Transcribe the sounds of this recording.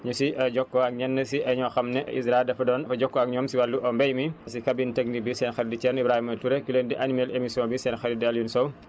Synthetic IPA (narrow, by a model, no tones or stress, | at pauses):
ɲusiɐɟɔkːɔɐk̚ɲɐnːɐsiʔɐɲɔxɐmnɛʔɐ̰isɾadɐfɐdɔːnɐfɐɟɔkːɔɐk̚ɲɔːmsiwɐlːuʔɐmbɛjmisikɐbintəɡ̚nibisɛːnxɛddit͡ʃɛnibɾahimɐtuɾekileːndiʔɐnimɛlemisjɔ̃ːbisɛːnxɛɾidɐljunsɔw